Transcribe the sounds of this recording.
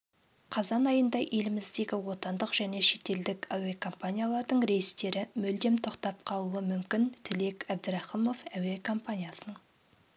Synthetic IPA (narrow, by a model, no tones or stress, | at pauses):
qʰɑzɑnɑjənd̪ɑʔe̞lɪmɪzd̪e̞ɡʲɪwo̞t̪ɑnd̪əqʒ̥æne̞ʃe̞t̪e̞ld̪ɪkæwekʰo̞mpanʲijalˠɑɾd̪əɴɾe̞jɪst̪e̞ɾɪmɵld̪emt̪ʰo̞qt̪ɑpqʰɑlˠuəmʏmkʲɪnt̪ʰɪle̞kʲæbd̪ɾɑχimo̞fæwekʰo̞mpanʲijasənəɴ